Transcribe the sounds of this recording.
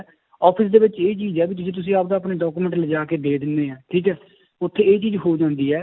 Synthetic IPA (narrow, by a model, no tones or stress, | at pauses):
ɔːpʰɪsd̪eːʋɪt͡ʃeːt͡ʃiːzɛːbit̪ʊd͡ʒẽːt̪ʊs̬ĩːaːp̚d̪aːpneːɖɔːkuːmɛ̃ɳʈləd͡ʒaːkeːd̪eːd̪ɪnd̪eːɛːʈʰiːkɛː | ʊt̪ʰːeːeːt͡ʃiːzɦoːd͡ʒãːnd̪iːɛː